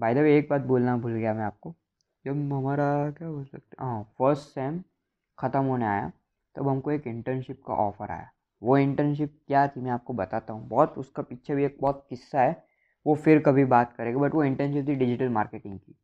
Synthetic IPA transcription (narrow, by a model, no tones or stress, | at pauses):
baːɪjd̪ɐʋeːk̚baːt̪̚boːlnabʱʊlɡɐjamɛ̃aːp̚ko | jɐbɦɐmaːɾakjaːboːlsɐk̚t̪ɦãːfəɾsʈsɛ̃ːm | xʰɐt̪əmɦoːnea̰ːja̰ | t̪oɐbɦɐmkoeːkɪ̃ɳʈəɾnʃɪp̚ka̰ʔɔːfəɾʔa̰ːja̰ | ʋoɪ̃ɳʈəɾnʃ̬ɪp̚kjat̪ʰimɛ̃aːp̚kobɐt̪aːt̪aɦũːbɔːt̪ʊ̰skapiːt͡ʃʰabʱieːk̚bɔːt̪̚kɪsːaɦɛː | ʋofɪɾkɐbʱibaːt̪kɐɾẽːɡabɐʈʋoɪ̃ɳʈɛ̃nʃɪp̚t̪ʰiɖɪd͡ʒɪʈəlmaːɾkeːʈɪ̃ŋɡ̚kiː